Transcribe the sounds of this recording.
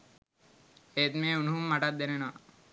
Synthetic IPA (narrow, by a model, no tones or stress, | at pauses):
et̪meːunuɦumːaʈat̪̚d̪enenoʋa̰